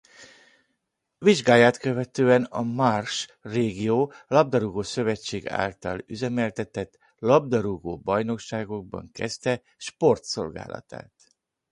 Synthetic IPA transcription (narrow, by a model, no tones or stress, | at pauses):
viʒɡaːjaːt̪køvɛt̪øːɛnɒ̰marʃreːɡijoːlɒb̚d̪ɒɾuɡoːsø̞vɛt͡ʃːeːɡa̰ːlt̪ɒly̰zɛmɛlt̪ɛt̪ɛt̪ | lɒb̚d̪ɒɾuɡoːbɒjno̞kʃaːɡo̞ɡ̚bɒ̰ŋkɛ̰st̪ɛ | ʃpo̞rt̪so̞̰lɡa̰ːlɒ̰t̪a̰ːt̪